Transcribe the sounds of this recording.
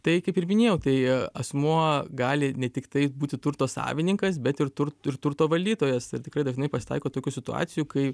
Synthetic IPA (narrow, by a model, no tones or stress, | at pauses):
t̪ɐɪkɐɪpɪɾmʲɪnʲeːjɛʊt̪ɐɪɐsmuɔɡɑːlʲɪnʲɛt̪ʲɪkt̪ɐɪbuːt̪ʲɪt̪ʊɾt̪oːsɑ̰ːʋʲɪnʲɪŋkɐs̬bʲɛt̪ɪrt̪ʊɾtɪrt̪ʊɾt̪oːʋɐlʲd̪ʲiːt̪oːjɛsɪrt̪ʲɪkɾɐɪd̪ɐʒnɐɪpɐsʲɪ̥t̪ɐ̰ɪkoːt̪oːkʲusʲɪt̪ʊɑ̰ːsʲɪjukɐɪ